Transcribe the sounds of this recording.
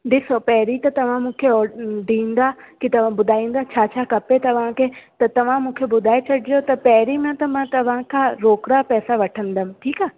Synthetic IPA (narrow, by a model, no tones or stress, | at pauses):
ɖɪsopɛɦɾit̪ɐt̪ɐʋ̤ãmũːkʰeɔɖĩːnd̪akit̪ɐʋ̤ãbʊd̪ʱaːĩːn̆d̪at͡ʃʰaːt͡ʃʰaːkɐpet̪ɐʋ̤ãkʰet̪ɐt̪ɐʋ̤ãmũːkʰebʊd̪ʱaːet͡ʃʰɐɽʱijot̪ɐpɛɦɾimãt̪ɐmãːt̪ɐʋ̤ãkʰãːɾoːkɾapɛːsaʋɐʈʰə̃nd̪əmʈʰiːkaː